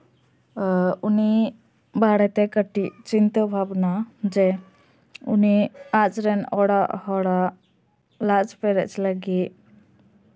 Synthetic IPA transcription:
uni | bʱaɽɛt̪ɛkəʈiʔt͡ʃint̪əbʱabnad͡ʒɛ | uniat͡ʃɾɛnɔɽaʔhɔɽa | lad͡ʒpɛɾɛʔt͡ʃləɡi

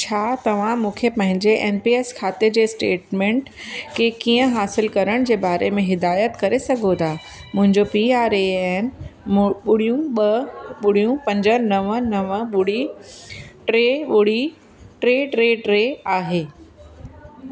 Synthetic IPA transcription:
t͡ɕʰaːt̪ɐʋ̤ãmũːkʰepɐ̃ɦɪ̃ɲd͡ʑeʔeːnpiːeːskʰaːt̪ed͡ʑeːsʈeːʈmẽːɳʈ | kekiːə̃ɦaːsɪlkɐɾəɽ̃d͡ʑeːbaːɾemẽɦɪd̪aːjət̪kɐɾesɐɡʱot̪ʰaː | mʊ̃ɦɪ̃ɲd͡ʑopiaːɾeɛn | ɓʊɽ̤ijũɓɐɓʊɽ̤ijũpɐ̃ɲd͡ʑənɐʋənɐʋəɓʊɽ̤i | ʈɾeːɓʊɽ̤i | ʈɾeːʈɾeːɖɾeːaːɦeː

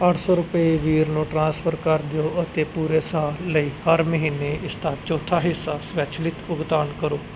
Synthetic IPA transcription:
əʈʰsɔːɾʊpəeːʋiːɾnũːʈɾãːspʰəɾkəɾd̪ejoːət̪eːpuːɾeːsaːəiːhəɾməɦiːneːɪst̪aːt͡ʃɔːt̪ʰaːɦɪsaːsʋɛːt͡ʃʰlɪt̪ʊɡt̪aːnkəɾoː

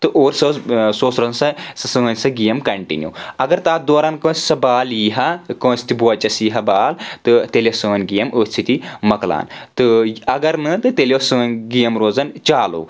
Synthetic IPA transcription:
t̪ɨʔoːɾsɐːzsoːsɾoːzɐnsɐsɐsəːnʲsɐɡijɐmkɐɳʈḭnʲjṵɐɡɐɾt̪aːd̪oːɾaːnkɐ̃ːsʲsɐbaːljiːɦɐkɐ̃ːsʲt̪ibuɐt͡ʃɐsiːɦɐbaːlt̪ɨt̪elosəːnɡijɐməːsʲsʰit̪imɐkla̰ːnt̪ɨɐɡɐɾnɨt̪ɨt̪elʲosəːnɡijɐmɾoːd͡zɐnt͡ʃaːlo̰ː

